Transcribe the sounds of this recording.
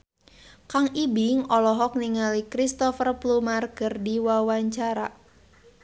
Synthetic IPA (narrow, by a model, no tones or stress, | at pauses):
kaŋibɪŋɔlɔɦɔk̚niŋalikɾist̪ɔfərplumarkɨrdiwawaɲt͡ʃaɾa̰